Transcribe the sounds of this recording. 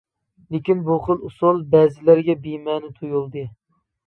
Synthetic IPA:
lɪkʲinbuχəlˠusʊlˠbɛːzɪlæɾɡʲɛbimɛːnɪt̪ʰujulˠd̪ɨ

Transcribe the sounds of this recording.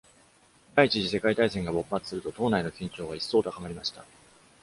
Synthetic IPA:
d̪ait͡ɕiʑise̞kait̪aisẽ̞ŋɡabo̞pːat͡sɨ̥sɨɾɯ̟t̪o̞t̪o̞ːnaino̞kʲĩɲ̟t͡ɕo̞ːɡaisːo̞ːt̪okaŋaɾʲimaɕi̥t̪a

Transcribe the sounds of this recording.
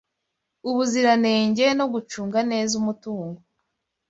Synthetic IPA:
uβuziɾane̞ːɲɟe̞no̞ɡut͡ʃuːŋɡane̞ːzumutuːŋɡo

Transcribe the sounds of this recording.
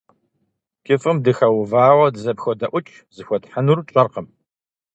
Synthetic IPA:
kʲʼɪfʼɨmdɨxɐwʊvaːwɐdɨzɐpxɔdɐʔʷʊt͡ʃʼ | z̥ɨxʷɔtħanurt͡ʃʼɐrqəm

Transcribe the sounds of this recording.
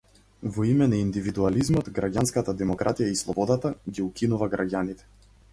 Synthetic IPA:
vɔimɛnaind̪ivid̪ualizmɔt̪ɡɾaɟanskat̪ad̪ɛmɔkɾʔat̪ijaislˠɔbɔd̪at̪aɡiukinuvaɡɾaɟanit̪ɛ̥

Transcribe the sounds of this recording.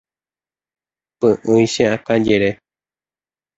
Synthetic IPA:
pɨ̃ʔɨ̃ĩɕẽakãd͡ʒeɾe

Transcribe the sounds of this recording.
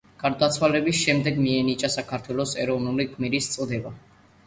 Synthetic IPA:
ɡ̥aɾd̪at̪sʰwalɛbisʃɛmd̪ɛɡmiɛnit͡ʃʼasakʰaɾt̪ʰwɛlˠɔsɛɾɔvnuliɡʼmiɾist̪sʼd̪ɛba

